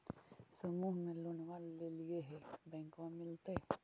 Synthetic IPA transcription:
səmuːɦmẽloːneʋaːlːelijeɦɛbɛ̃ːŋkʋamɪlt̪e

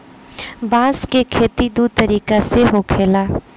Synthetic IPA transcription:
bãːskekʰeːt̪id̪ud̪̚t̪əɾiːkaseɦokʰeːlaː

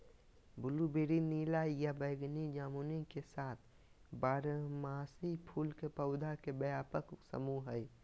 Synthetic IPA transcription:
bʊlubeːɾiniːlajabəɪɡnid͡ʒaːmunikesaːt̪ʰ | baːɾmaːsipʰuːlkepəʊd̪ʱakebəjaːpəksə̰muɦəj

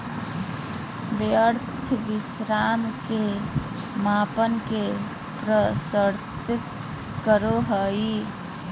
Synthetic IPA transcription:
ʋeəɾtt̪ʰʋɪsɾaːnke | maːpənke | pɾəsəɾt̪ | kəɾoɦəi

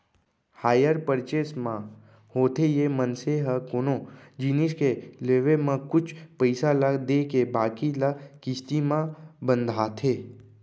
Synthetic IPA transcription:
haːjəɾpəɾt͡ʃeːsmã | hoːt̪ʰejemənseɦəkoːnõd͡ʒiniskeleːʋemãkʊt͡ʃʰpəɪsalad̪eːkebaːkilakɪst̪imãbə̃nd̪ʱaːt̪ʰeː

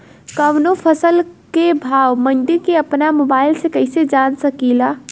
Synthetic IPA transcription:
kəʋnopʰəsəlkebʱaːʋmənɖ̪ikeəpnamoːbaːɪlsekɐɦɪsed͡ʒaːnsəkilaː

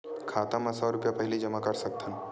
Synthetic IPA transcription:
kʰaːt̪amãsɔːɾʊpjapɛɦlid͡ʒɐmakɐɾsɐk̚t̪ən

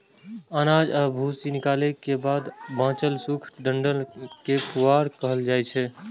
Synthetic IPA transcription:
ənad͡ʒabʱusinɪkaːlekebad̪bʱãːt͡ʃəlsukʰɖəɳɖəlkepuaɾkəɦəld͡ʒajt͡ʃʰɛ

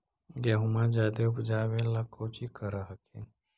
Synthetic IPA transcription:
ɡɛɦumãd͡ʒad̪eupd͡ʒaʋelakʰot͡ʃikəɾəɦəkʰe

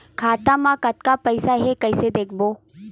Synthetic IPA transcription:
kʰaːt̪amãkɐt̪kapəɪsaɦekɐɪsed̪eːkʰboː

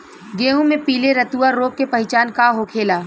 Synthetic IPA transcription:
ɡeːɦũmẽpiːleɾɐt̪uaɾoːp̚kepɐɦɪt͡ʃaːnkaːɦokʰeːlaː

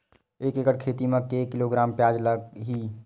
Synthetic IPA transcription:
eːkekəɽkʰeːt̪imə̃kːekːɪloɡɾaːmpjaːd͡ʒləɡɦi

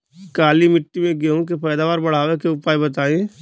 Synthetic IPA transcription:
kaːlimɪʈːimẽɡeɦũk̬epɛːd̪aːʋaːɾbɐɽ̤aːʋekeʊpaːibɐt̪aːĩ

